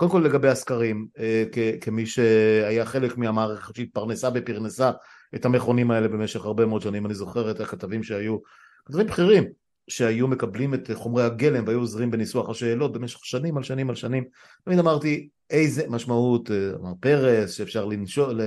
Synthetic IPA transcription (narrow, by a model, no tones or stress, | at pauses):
kodemkolːeɡabeaskaʁimekekemiʃeajaχe̞lekmiamaːʁeχetʃeit̪̚paʁnesabepiʁnesa | ethame̞χo̞nimae̞le̞be̞meʃe̞χaʁbe̞mood̪ʃanimanizo̞χe̞ʁethakat̪avimʃeaju | kat̪avimbχiʁim | ʃeajume̞kablimetχo̞mʁejhaɡe̞lemveajuozʁimbe̞nisuaχaʃe̞ːlo̞t̚be̞meʃeχʃanimalʃanimalʃanim | t̪amid̪amaʁti | ejze̞maʃmauta̰maʁpe̞ʁesʃeːfʃaʁlinʃole